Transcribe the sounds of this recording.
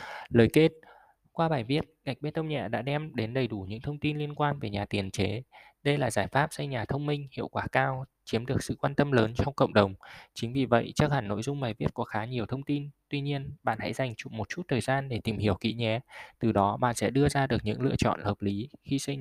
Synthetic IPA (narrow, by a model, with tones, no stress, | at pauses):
ləː˨˩jke˦˥t̚ | kwaː˧ɓaː˨˩jvi˦˥ət̚ka˨˩k̚ɓe˦˥t̪ə˧wŋ͡mɲɛ̰˧˩ɗa̰ː˧˥ɗɛ˧mɗe˨˦nɗə˨˩jɗu˧˩ɲɨ̰˧˥ŋt̪ʰə˧wŋ͡mt̪i˧nli˧ənkwaː˧nve˨˩ɲaː˨˩t̪i˨˩ənt͡ɕe˨˦ | ɗə˧jlaː˨˩zaː˧˩jfaː˦˥p̚sə˧jɲaː˨˩t̪ʰə˧wŋ͡mmï˧ŋ̟hḭ˧˨əwkwaː˧˩kaː˧wt͡ɕi˨˦əmɗɨ˨˩ək̚sɨ̰˧˨kwaː˧nt̪ə˧mləː˨˦nt͡ɕɔ˧wŋ͡mkə̰˧˨wŋ͡mɗə˨˩wŋ͡mt͡ɕï˨˦ŋ̟vi˨˩və̰˧˨jt͡ɕaː˦˥k̚haː˧˩nːo̰˧˥˨jzʊ˧ŋ͡mɓaː˨˩jvi˦˥ət̚kɔ˨˦xaː˨˦ɲi˨˩əwt̪ʰə˧wŋ͡mt̪i˧nt̪wi˧ɲi˧ənɓa̰ː˧˨nha̰˧˥jza˨˩jŋ̟t͡ɕʊ˨˩k͡p̚mo˨˩t̚t͡ɕu˦˥t̚t̪ʰəː˨˩jzaː˧nɗe˧˩t̪i˨˩mhi˧˩əwkḭ˧˥ɲɛ˨˩˦t̪ɨ˨˩ɗɔ˨˦ɓa̰ː˧˨nsɛ̰˧˥ɗɨ˧əzaː˧ɗɨ˨˩ək̚ɲɨ̰˧˥ŋlɨ̰˧ət͡ɕɔ̰˧˨nhəː˨˩p̚li˨˦xi˧sə˧j